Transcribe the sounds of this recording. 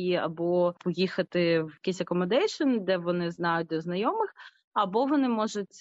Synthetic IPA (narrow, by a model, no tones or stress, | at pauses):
iɐ̰bɔpɔjixɐt̪ɪwjɐkijsʲɐkɔmɐd̪ɛjʃɔnd̪ɛʋɔnɪznɑjʊt̚ʲd̪ɔznɐjɔmɪx | ɐbɔʋɔnɪmɔʒʊtʲ